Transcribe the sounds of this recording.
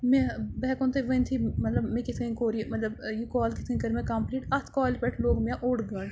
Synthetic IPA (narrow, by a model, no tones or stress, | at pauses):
mẽbɛːkõnt̪ʰeʋɐ̃nt̪ʰiːmɐt̪ləbmẽkɪt̪ʰkə̃ĩkoːɾimɐt̪ləbjuːkɔːlkɪt̪ʰkɐ̃kɐɾmẽkɐmpliːʈɐt̪ʰkɔːlpɛʈʰloːɡmjãʔoːɽɡəːɳ